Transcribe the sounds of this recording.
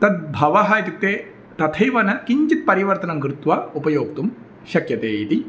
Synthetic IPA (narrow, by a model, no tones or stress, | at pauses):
t̪ɐt̪̚bʱɐʋɐɦɐjt̪uk̚t̪eː | t̪ɐt̪ʰɐjʋɐnɐkiɲt͡ʃit̪̚pɐɾiʋɐɾt̪ɐnɐmkɾɪt̪ʋɐupɐjoːkt̪um | ʃɐkjɐt̪eːit̪i